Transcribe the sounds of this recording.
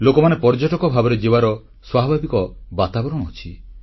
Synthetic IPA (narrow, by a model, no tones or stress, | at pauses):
lokɔmanepɔɾd͡ʒɔʈɔkɔbʱabɔɾed͡ʒebaɾɔ | swabʱabikɔbat̪abɔɾɔɽɔɦɔt͡ʃʰi